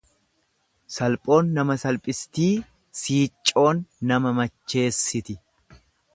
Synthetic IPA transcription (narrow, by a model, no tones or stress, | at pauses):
sɐlpʼo̞ːnːɐmɐsɐlpʼɪst̪iː | siːt͡ʃʼːo̞ːnːɐmɐmɐt͡ʃːe̞ːsːɪt̪ɪ